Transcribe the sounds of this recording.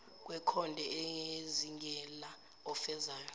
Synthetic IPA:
k̬ʼwɛkʰɔndʱɛɛŋeziŋɡʱɛla | ɔfɛzaːjɔ

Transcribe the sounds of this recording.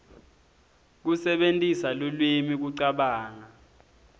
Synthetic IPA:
k̬usɛɓentʼisalulwimik̬uǀaɓaːna

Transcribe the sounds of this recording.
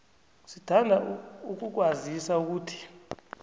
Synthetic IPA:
sitʰandʱauk̬uk̬wazisauk̬uːtʰi̥

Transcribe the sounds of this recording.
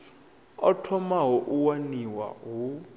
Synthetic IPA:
ɔtʰɔmaɦɔʔuwaniwa̰ɦu

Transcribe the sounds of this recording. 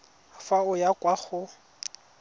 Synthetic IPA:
faʊjakʼwaχʊ

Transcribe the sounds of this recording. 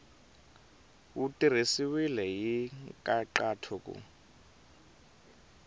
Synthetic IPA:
utʼir̤isiwilɛjikʼaǃatʰuːk̬ʼṵ

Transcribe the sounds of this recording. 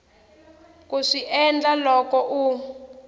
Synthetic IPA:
kuʂiʔɛnd͡ɮalɔkɔʔu

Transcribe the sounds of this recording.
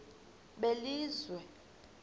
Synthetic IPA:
ɓeliːzwɛ

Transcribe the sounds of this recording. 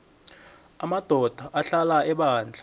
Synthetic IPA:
amad̥ʱɔd̥ʱaʔaɬalaɛɓaːnd͡ɮʱḁ

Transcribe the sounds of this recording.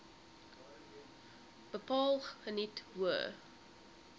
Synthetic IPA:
b̥əpɑːlˠχənitwuə

